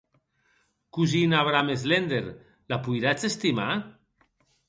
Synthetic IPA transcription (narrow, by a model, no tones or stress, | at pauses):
kuzinaβɾamezlend̪eɾ | lapujɾat͡sest̪ima̰